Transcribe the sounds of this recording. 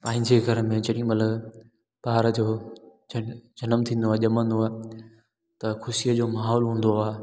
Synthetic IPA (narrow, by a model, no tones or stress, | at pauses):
pãːɪ̃ɲd͡ʑeɡʱɐɾəmẽd͡ʑɐɗĩj̃mɐt̪ləb | baːɾd͡ʑoː | d͡ʑɐnəmt̪ʰĩːnd̪oaːɦʄɐmə̃nd̪oaːɦe | t̪ɐxʊsiəd͡ʑoːmaːɦɔːlɦũːnd̪oaːe